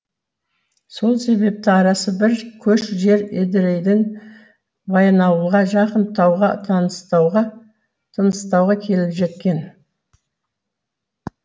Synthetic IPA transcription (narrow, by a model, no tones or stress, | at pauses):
so̞lˠse̞βe̞p̚t̪ɪɑɾɑsəbɪɾkʲʰɵʃʒe̞ɾed̪ɪɾejd̪ɪŋ | bɑjnɑwuʁɑʒɑqənt̪ʰɑwʁɑt̪ʰɑnəst̪ɑwʁɑ | t̪ʰənəst̪ɑwʁɑkʲʰe̞lɪpʒe̞t̪̚kʲe̞n